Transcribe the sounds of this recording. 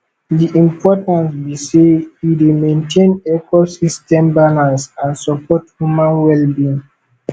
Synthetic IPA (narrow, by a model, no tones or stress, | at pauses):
diʔĩmpʰɔtãnsbiseidemẽntʰẽnɛkɔsistɛ̃mbalãnsãnsɔpʰɔthumãnwɛlbiĩŋ